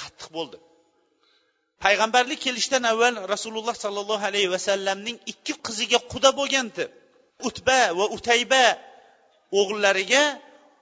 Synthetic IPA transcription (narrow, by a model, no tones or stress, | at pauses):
qʰɑ̥t̪ʰːɨ̥q̚bolˠd̪ɪ | pʰajʁɑmbaɾlɪk̚ʲkʰʲːe̞lɪʃt̪anavːalɾasulʊlˠːɑhsɒlˠːɑlˠːɑɦalajhwasalːamnɪŋɪkʲʰːɪqʰɨzɪɡʲaqʰʊd̪aboɡʲant̪ʰɪp̚ | ʊt̪bavaʊt̪ʰajba | oʁlˠːaɾɪɡʲa